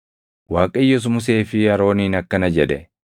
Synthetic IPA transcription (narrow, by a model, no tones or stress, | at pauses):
waːkʼɐjːɔs̬ʊmʊs̬eːfɪɐɾo̞ːniːnɐkːɐnɐd͡ʒɛd̪ɛ